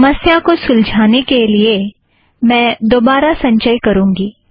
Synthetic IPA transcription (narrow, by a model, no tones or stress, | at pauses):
məsjakosʊld͡ʒʱaːnekelie | mɛ̃ːd̪oːbaːɾasɐ̃ɲt͡ʃəjkɐɾũːŋɡiː